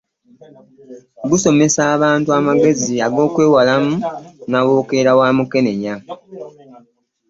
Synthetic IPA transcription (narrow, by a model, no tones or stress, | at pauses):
ɡuso̞me̞saːβaːntuamaɡe̞ziaɡo̞ːkwe̞ːwalamunawo̞ːke̞ɾawaːmuke̞ne̞ɲa